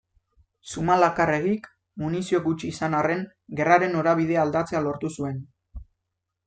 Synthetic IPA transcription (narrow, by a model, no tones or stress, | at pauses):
sumalakare̞ɣik | munisio̞ɡut͡ʃiːsanare̞ŋ | ɡe̞raɾe̞no̞ɾaβ̞ið̞e̞ald̪at͡se̞alo̞ɾt̪usue̞n